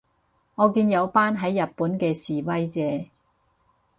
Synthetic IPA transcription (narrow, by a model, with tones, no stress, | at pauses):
ŋɔː˨˧kiː˧njɐ˨˧wpaː˥nɦɐ˨˥jːɐ˨t̚puː˨˥nkɛː˧siː˨wɐ˥jt͡sɛː˨˥